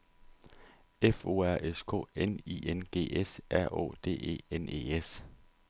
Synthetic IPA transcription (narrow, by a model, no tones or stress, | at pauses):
efo̝ːæɐ̰ʔeskʰo̰ːenḭːenɡ̥e̝̰ːesʔæɐ̰ʔɔ̰ːd̥e̝̰ːe̝̰ːene̝̰ːes